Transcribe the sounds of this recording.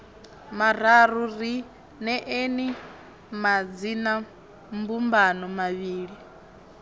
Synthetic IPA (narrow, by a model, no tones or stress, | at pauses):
maɾ̤aɾuɾi | nɛʔeni | mad͡zina | mbumbanɔmaβiːɺi